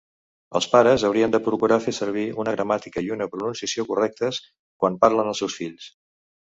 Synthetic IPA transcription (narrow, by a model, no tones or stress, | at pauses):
ə̰lˠspaɾəzəwɾiənd̪əpɾukuɾafesəɾβ̞iunəɣɾəmat̪ikəiunəpɾununsiəsiokurɛk̚t̪əs | kwanparlənəlˠsɛwsfiʎs